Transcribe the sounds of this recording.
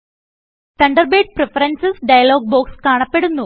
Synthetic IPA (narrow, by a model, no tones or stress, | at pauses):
t̪ɐɳɖɐrbeːɖ̚prefɐrɐnsɐsɖɐjɐlo̞ːɡ̚bo̞ːkskaːɳɐpːe̞ɽunːu